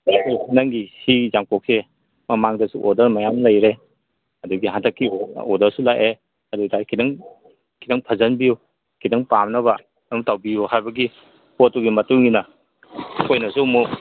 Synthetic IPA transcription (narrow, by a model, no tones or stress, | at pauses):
adunaŋɡisizaŋkɔk̚se | mɐmaŋdɐsuʔɔdɐɾmajamlɐjɾe | ɐduɡiɦantʰakːiɔdɐsulaʔe | ɐduɡidaɾkʰidaŋ | kʰidɐŋpʰɐzɐnbiju | kʰidaŋpamnɐβɐ | ɐmutawbiuhajbɐɡi | pɔtːuɡimɐtuŋːinɐ | kojnɐsumu